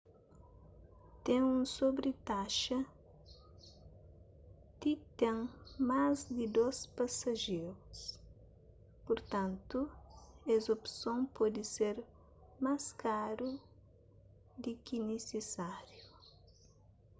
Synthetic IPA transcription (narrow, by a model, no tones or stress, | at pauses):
t̪ẽŋũsobɾɪt̪aʃɐ | d̪it̪ẽŋmazd̪ɪd̪ospasɐʒeɾus | poɾt̪ãnt̪uezopsõŋpɔd̪iseɾ | maskaɾu | d̪ɪkinesesaɾju